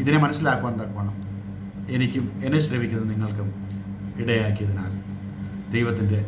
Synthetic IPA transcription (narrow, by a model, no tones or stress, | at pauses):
iðinemɐnɐsːilaːkːuʋaːnnd̪aːkːuʋaːɳɐm | enikʲːumenɐɕrɐʋikʲːunðɨniŋːɐɭkɨ | iɽɐjaːkːijɐðina̰ːl | d̪ejʋɐt̪ːinde̞